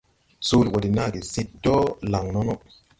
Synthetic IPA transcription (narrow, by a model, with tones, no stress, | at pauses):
su˦lwa˨di˨na˦˨ɡi˨si˦tːɔ˦la˨ŋnɔ˦nɔ˦